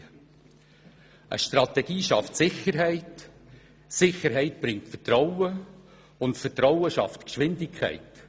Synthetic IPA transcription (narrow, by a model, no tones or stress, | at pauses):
ʔə̰ʃtrɑtɛɡ̥iːʃɑftsɪχəɾɦɛɪt | sɪχəɾɦɛɪtb̥ɾɪŋtfətrɔwə | ʊntfətɾɔʊəʃɑ̰ftkʃʋɪndɪkʰχɛ̰ɪt